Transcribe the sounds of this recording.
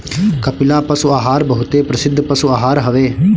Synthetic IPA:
kəpɪlaːpəsuaːɦaːɾbəɦʊt̪eːpɾəsɪd̪ʱːpəsuaːɦaːɾɦəʋeː

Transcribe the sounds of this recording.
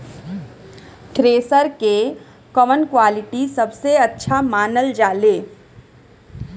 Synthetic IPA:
ʈɾeːsəɾke | kɔmənkwaːlɪʈisɐbseɐtːʃʰamaːnəld͡ʒaːleː

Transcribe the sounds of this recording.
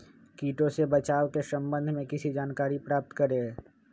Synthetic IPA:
kiːʈõsebɐt͡ʃaːʋwkesɐ̃mbə̃nd̪ʱmẽkɪsid͡ʒaːnkaːɾipɾaːp̚t̪kɐɾẽ

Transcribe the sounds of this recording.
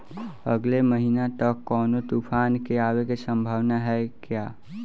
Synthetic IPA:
əɡleməɦinat̪əkːɔːnot̪upʰaːnkeaʋekesə̃mbʱaːʋnaɦɛkjaː

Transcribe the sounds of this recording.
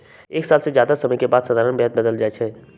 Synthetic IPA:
eːksaːlsed͡ʒjaːd̪asəməjkebaːd̪səd̪ʱaːɾənbeɦəd̪̚bəd̪əld͡ʒaːɛt͡ʃʰɛ

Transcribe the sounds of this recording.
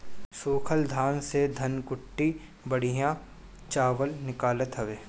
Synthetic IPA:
soːkʰəld̪ʱaːnsed̪ʱɐnkʊʈːi | bɐɽ̤ijã | t͡ʃaːʋəlnɪkaːlət̪ɦɐʋeː

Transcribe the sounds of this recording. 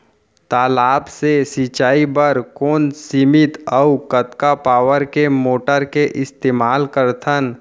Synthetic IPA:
t̪aːlaːbsesit͡ʃaːibəɾkoːnsɪmɪt̪əukət̪kapaːʋəɾkemoːʈəɾkeʔɪst̪eːmaːlkəɾt̪ʰən

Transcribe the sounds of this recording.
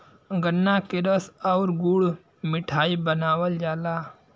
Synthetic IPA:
ɡənːaːkeɾəsaʊɾɡuɽ | mɪʈʰaːibənaːwəld͡ʒaːlaː

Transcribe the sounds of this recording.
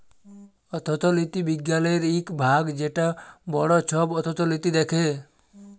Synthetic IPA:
ɔt̪ʰɔt̪ʰɔlit̪ibiɡjalɔjeɾikbʱaɡd͡ʒeʈabɔɽɔt͡ʃʰɔbɔt̪ʰɔt̪ɔlit̪id̪ekʰe

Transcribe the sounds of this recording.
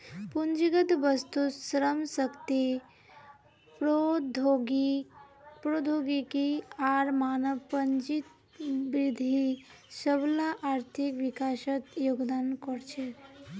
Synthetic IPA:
pund͡ʒiɡət̪ʋəst̪usɾəmsəkt̪i | pɾod̪ʱoɡi | pɾod̪ʱoɡikiaɾmaːnəʋpənd͡ʒit̪ | bɾɪd̪ʱi | səblaʔaɾt̪ʰikʋikaːʃət̪joːɡd̪aːnkɔɾt͡ʃʰe

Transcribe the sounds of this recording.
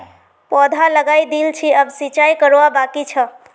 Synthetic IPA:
pɔd̪ʱaləɡajd̪ilt͡ʃʰiəbsit͡ʃajkəɾoabakit͡ʃʰə

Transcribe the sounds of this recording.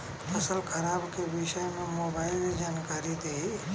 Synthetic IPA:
əsəlkʰəɾaːbkeʋɪʃəmẽmoːbaːɪled͡ʒaːnkaːɾit̪ʰei

